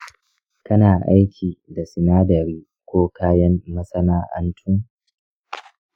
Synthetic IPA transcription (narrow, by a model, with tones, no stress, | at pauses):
kɐ˦naː˨ʔa˦jkʲʰiː˨da˨sɪ˨naː˦dɐ˨ɾiː˦ | kʷoː˦kʰaː˦jɐ˦mːɐ˦sɐ˦naː˦ʔɐ̰˦ntʰʊ˦ŋ